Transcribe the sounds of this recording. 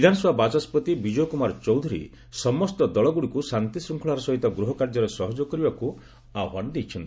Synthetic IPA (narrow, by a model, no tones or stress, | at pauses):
id̪ʱanɔsɔbʱabat͡ʃaspɔt̪ibid͡ʒɔjkumaɾɔt͡ʃɔwd̪ʱuɾḭ | sɔmɔst̪ɔd̪ɔɭɔɡuɽikusant̪isɾuŋkʰɔɭaɾɔsɔɦit̪ɔɡɾuɦɔkaɾd͡ʒɔɾesɔɦɔd͡ʒɔkɔɾibaku | aɦand̪ijt͡ʃʰɔnt̪i